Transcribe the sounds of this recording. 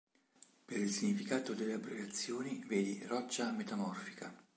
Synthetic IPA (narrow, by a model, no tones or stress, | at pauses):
peɾilsiɲːifikaːt̪od̪eleabːɾiɾat̪sːjoːniveːd̪irɔt͡ʃːamet̪amɔrfi̥ka